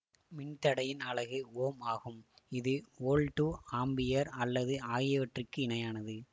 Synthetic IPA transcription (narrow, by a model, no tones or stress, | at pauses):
mɪɳt̪ɐɽɐjɪnɐɭɐɣɯoːmaːɣɯmɪðɯoːlʈuaːmbɪjɐɾɐlːɐðɯaːjɪʋɐʈrɪkːɯɪɳɐjaːnɐðɯ